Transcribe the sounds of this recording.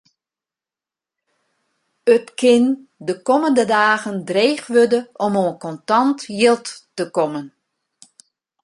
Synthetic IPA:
ətkɪndəkɔməndədaːɣəndreːxʋødəʔɔmoənkɔntɑntjɪlˠtːəkɔmən

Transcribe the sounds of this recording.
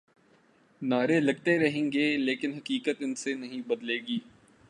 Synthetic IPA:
naːɾelɐɡ̚t̪eɾɐɦẽːŋɡeːleːkɪnɦɐkiːkət̪ɪnsenɐɦĩbɐd̪leːɡiː

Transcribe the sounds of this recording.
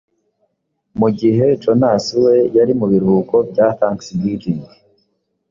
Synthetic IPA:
muɡiɦe̞tonaːsiwe̞jaɾimuβiɾuːko̞bjaθaːŋksibjiːdiːŋɡi

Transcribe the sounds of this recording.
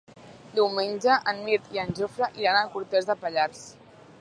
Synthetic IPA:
d̪iwmenʲd͡ʒəʔənmiɾt̪iənʲʒofɾəʔiɾanəlˠkuɾt̪ɛzðəpəʎaɾs

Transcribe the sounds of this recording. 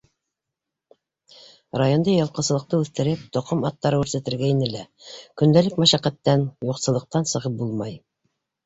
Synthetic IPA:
ɾajo̞nd̪ɤjɑ̆lˠqɤ̆sɤ̆ɤq̚t̪ɤʉθt̪ɘ̆ɾɘp̚t̪ŏqomɑt̪ːɑɾɤʉɾsæt̪ɘ̆ɾɡæinɘlækɵ̆nd̪ælɘkmæʃæqæt̪ːænjuqsɤ̆lˠɤ̆q̚t̪ɑnsɤ̆ʁɤp̚bulˠmɑj

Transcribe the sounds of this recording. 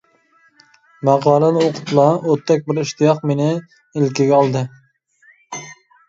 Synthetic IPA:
mɑʁɑːlˠɨnɨoqʰʊ̥t̪lˠɑot̪ʰːɛk̚ʲbɪɾiʃt̪ɨjɑqmenɪ | ɪlkʲiɡʲɛɑlˠd̪ɨ

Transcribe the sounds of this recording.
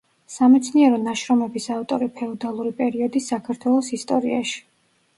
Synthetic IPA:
samɛt̪sʰniɛɾɔnaʃɾɔmɛbisaft̪ʼɔɾipʰɛɔd̪alˠuɾipʼɛɾiɔd̪isakʰaɾt̪ʰwɛlˠɔsist̪ʼɔɾḭa̰ʃi̥

